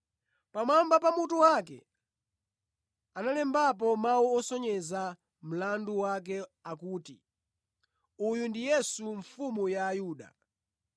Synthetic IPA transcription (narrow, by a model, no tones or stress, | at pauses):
pamambap̬amutuwakɛ̰ | analɛmbap̬ɔmawuɔsɔɲɛza | m̩landuwak̬ɛakuːtḭ | ujundijɛsuɱfumujaːjuːɗa̰